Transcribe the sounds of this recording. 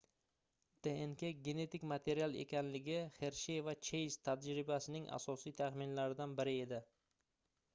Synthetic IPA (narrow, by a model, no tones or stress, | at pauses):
d̪̥eenkʲeɡʲe̞ne̞t̪ɪkʲmat̪ʰe̞ɾijalˠḛkʲanlɪɡʲɪχe̞ɾʃevat͡ʃʰe̞jz̥t̪ʰad͡ʒɾɪbasɪnɪŋʔa̰sɒsijt̪ʰaχmɪnlaɾɪd̪anbɪɾɪe̞d̪ɪ